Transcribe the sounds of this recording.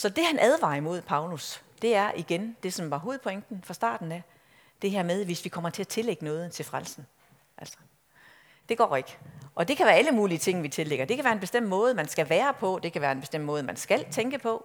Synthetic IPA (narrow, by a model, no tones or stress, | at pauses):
sɒ̽d̥e̝hænʔæð̞ˠʋɑ̰̈ːimo̝ð̞̰ˠpʰɑ̈ʊlusd̥e̝æɐʔiɡ̥end̥e̝sɒ̽mʋɑ̈ɦo̝ːð̩ˠpʰɒ̽eŋ̰d̥n̩fʁɑ̈sd̥ɑ̰̈ːd̥n̩æ | d̥e̝ɦæɐ̰með̞ˠʋe̝sʋikʰɒ̽m̰ɐt͡sʰe̝æt͡sʰe̝leɡ̥ənɔ̽ːð̞̩ˠt͡sʰe̝lfʁalsn̩ | ʔæl̰sɐ̥ | d̥e̝ɡ̥ɒ̰ːe̝ɡ̥əʔɒ̽d̥e̝kʰæʋæːɐæləmuːliət͡sʰe̝ŋ̰nʋit͡sʰe̝leɡ̥ɐd̥e̝kʰæʋæːɐe̝nb̥e̝sd̥em̰d̥mɔ̽ːð̞̩ˠmænsɡ̥æʋæːɐpʰɒ̽d̥e̝kʰæʋæːɐenb̥esd̥em̰d̥̚mɔ̽ːð̞̩ˠmænsɡ̥æl̰t͡sʰeŋɡ̥əpʰɒ̽